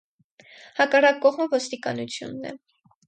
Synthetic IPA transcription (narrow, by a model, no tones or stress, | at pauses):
hɑkɑrɑkːɔʁməvɔst̪ikɑnut͡sʰjṵnːɛ̰